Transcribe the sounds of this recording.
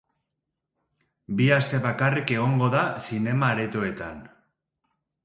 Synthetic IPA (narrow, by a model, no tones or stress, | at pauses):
biast̪e̞βakarike̞ɣ̞o̞ŋɡoðasine̞maːɾet̪oe̞t̪an